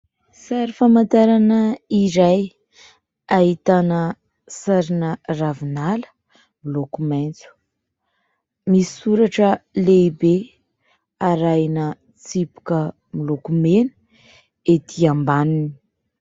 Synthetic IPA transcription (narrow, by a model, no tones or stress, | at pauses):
saɾifamant̪aɾanəiɾaj | aɦit̪anə | saɾinəravinalə̥ | milokumajnt͡su̥ | misuɾaʈ͡ʂəleibe | aɾajnə | t͡sipu̥kə | milokumenə̥ | et̪ʰiambanini̥